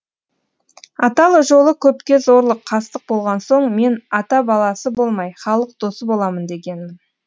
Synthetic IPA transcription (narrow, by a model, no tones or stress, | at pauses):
ɑt̪ɑlˠʒo̞lˠəkʲʰɵpkʲe̞zo̞ɾlˠəqʰːɑst̪əq̚bo̞lˠʁɑnso̞ɴme̞nɑt̪ɑbɑlˠɑsəbo̞lˠmɑjχɑlˠəq̚d̪̥o̞səbo̞lˠɑmənd̪e̞ɡʲe̞nmɪn